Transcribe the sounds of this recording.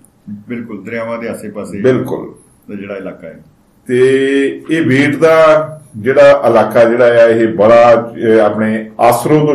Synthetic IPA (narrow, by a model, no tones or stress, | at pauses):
bɪlkʊld̪ɾãːʋãːd̪eːaseːpaːseːbɪlkʊ̰l | d̪ad͡ʒeːɽaːɪlaːkaːɛ | t̪eːeːbeːʈd̪aːd͡ʒeːɽaːʔəlaːkaːd͡ʒeːɽaːɛaːɪɦebəɽaːaːpneːaːsɾõːd̪o